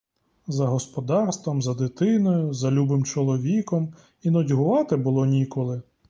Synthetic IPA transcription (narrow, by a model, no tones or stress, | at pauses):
zɐɦɔspɔd̪ɑrst̪ʋɔmzɐd̪ɪt̪ɪnɔjʊzɐlʲubɪmt͡ʃɔlˠɔʋʲikɔm | inɔdʲɦʊʋɑt̪ɪbʊlˠɔnʲikɔlˠɪ